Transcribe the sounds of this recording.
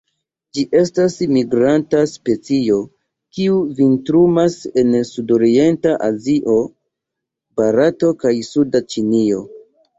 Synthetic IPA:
d͡ʒiʔe̞stasmiɡɾantaspe̞t͡sio̞ | kiuvintɾumase̞nsudo̞ɾie̞ntaʔaziʔo̞ | baɾato̞kajsudat͡ʃinio̞

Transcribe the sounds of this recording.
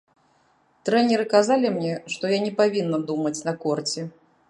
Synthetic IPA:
t̪ɾɛnʲɛɾɨkazalʲimnʲɛʂt̪ɔjanʲɛpavʲinːɐd̪umɐt͡sʲnɐkɔrt͡sʲɛ

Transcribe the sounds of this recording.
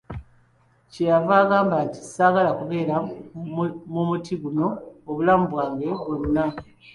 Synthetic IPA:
cejavaːɡaːmbati̥saːɡalakuβe̞ːɾa | mumutʰiɡuno̞ːβulaːmubwaːŋɡe̞βonːa

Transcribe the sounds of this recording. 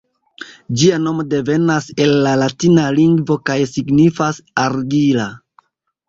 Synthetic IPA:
d͡ʒiano̞mode̞ve̞nase̞lːalatinaliŋɡvo̞kajsiɡnifasaɾɡila

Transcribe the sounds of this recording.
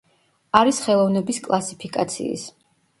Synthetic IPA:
aɾisχɛlˠɔvnɛbiskʼlˠasipʰikʼa̰t̪sʰḭːs

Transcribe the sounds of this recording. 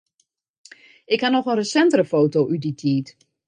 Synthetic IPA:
ɪkhanɔxənrəsɛntərəfoːtowʔyditʰiːt

